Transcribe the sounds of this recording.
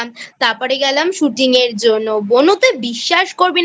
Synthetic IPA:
mt̪apɔɾeɡɛlamʃuʈiŋeɾd͡ʑonːobonot̪ebiʃːaʃkoɾbin

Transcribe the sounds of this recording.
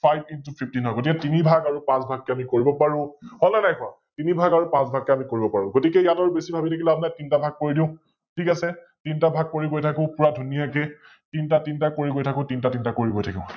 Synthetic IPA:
pʰajb̚intupʰiptinɦɔjɡot̬ikɛtinibʱaɡaɹupãsbʱaɡːɛamikoɹibɔpaɹʊ̃hɔnanajkʊa | tinibʱaɡaɹupãsbʱaɡːɛamikoɹibɔpaɹʊ̃ɡotikɛjataɹubesibʱabitʰakilabnajtintabʱaɡ̚kːoɹidĩʊ̃ | tʰikasɛ | tintabʱaɡ̚koɹiɡojtʰakʊ̃pʊɹadʱunijakɛ | tintatintakoɹiɡojtʰakʊ̃tintatintakoɹiɡojtʰakĩʊ̃

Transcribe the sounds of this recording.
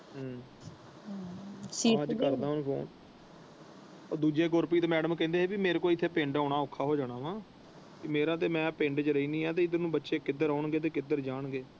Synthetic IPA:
ɦ | siːãːd͡ʒkəɾd̪ãːɦʊnpʰo̰ːn | ɔːd̪uːd͡ʒeːɡʊɾpiːt̪eːmɛːɖəmkɛ̃ːnd̪eːeːbimeːɾkoːiːɪt̪ʰːeːpẽːɳɖaːɽaːoːkʰːaːɦoːd͡ʒaːɽ̃aːʋãː | kimeːɾãːt̪̬eːmɛ̃ːpẽːɳɖt͡ʃɾəiːnĩːɛːt̪eːɪd̪ənũːbətːʃeːkɪd̪əɾaːɳɡeːt̪̬eːkɪd̪əɾd͡ʒaːɳɡeː

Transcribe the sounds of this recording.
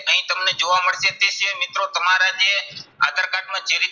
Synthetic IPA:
əɦĩːt̪əmneːd͡ʒoːʋaːməɽsẽːt̪eːseːmɪt̪ɾõːt̪əmãːɾaːd͡ʒeːa̰ːd̪əɾkaːʈmãːd͡ʒeɾiː

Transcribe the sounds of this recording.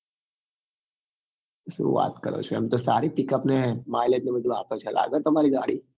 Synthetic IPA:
sṵʋa̰ːt̪kɐɾo̰t͡ʃʰeɐmt̪osaːɾipɪkəpnemaːɪlet̪neʋɐd̪ʱa̰ːpət͡ʃʰɐlʔa̰ːɡət̪oɦɐmaːɾiɡa̰ːɽiː

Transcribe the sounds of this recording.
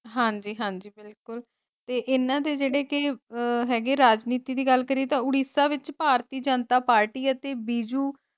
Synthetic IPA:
ɦãːɲd͡ʒiːɦãːɲd͡ʒiːbɪlkʊl | t̪eːʔɪnãːd̪eːd͡ʒeːɽeːkɪɦɛːɡeːɾaːd͡ʒniːt̪iːd̪iːɡəlkəɾiːt̪ãːʊɽiːsaːʋɪt͡ʃpaːɾt̪iːd͡ʒənt̪aːpaːɾʈiːət̪eːbiːd͡ʒuː

